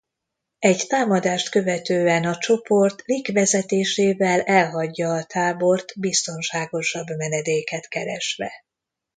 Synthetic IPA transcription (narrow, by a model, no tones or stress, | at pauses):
ɛɟt̪aːmɒd̪aːʃt̪kø̞vɛt̪øːɛnɒt͡ʃo̞po̞rt̪likʋɛzɛt̪eːʃeːvɛlɛlɦɒɟːɒːt̪ʰaːbo̞rt̪bist̪o̞nʃaːɡo̞ʃɒbmɛnɛd̪eːkɛt̪kɛɾɛʃʋɛ̰